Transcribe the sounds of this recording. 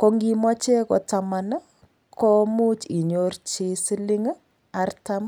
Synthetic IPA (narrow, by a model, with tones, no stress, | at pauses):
ko˦ŋɡi˦mwa˦t͡ʃe˦kɔ̰taman | kʰo˦mu˦t͡ʃi˨ɲort͡ʃe˦si˦li˦ŋ | artam